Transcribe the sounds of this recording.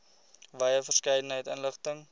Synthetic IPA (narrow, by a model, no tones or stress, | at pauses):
vɐjəfərskəjdənɦəjtənləχtəŋ